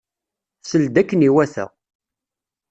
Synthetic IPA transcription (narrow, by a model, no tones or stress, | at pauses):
səld̪ækːəniwæθə̰ʁ